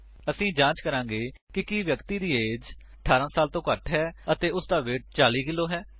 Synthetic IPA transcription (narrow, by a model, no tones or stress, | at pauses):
əsĩːd͡ʒãːt͡ʃkəɾãːŋɡeː | kɪkiːʋjəkt̪iːd̪iːeːd͡ʒ | əʈʰaːɾãːsaːlt̪õːkəʈɦɛːət̪eːʊsd̪aːʋeːʈ̚t͡ʃaːliːkɪlːoːɦɛː